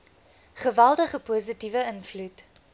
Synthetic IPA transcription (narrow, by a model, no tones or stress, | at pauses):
χəvælˠdəχəpuːzitivəənflut